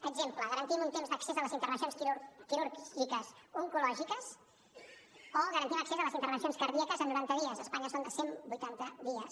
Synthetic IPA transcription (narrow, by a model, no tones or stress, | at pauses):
əɡzempləɣəɾənt̪imunt̪emzd̪əksezələzint̪əɾβənsionskukiɾuɾʒikəsuŋkulɔʒikəs | oɣəɾənt̪iməksezələzint̪əɾβənsionskəɾðiəkəzənːuɾant̪əðiəzəspaɲəsond̪əsembujt̪ant̪əðiəs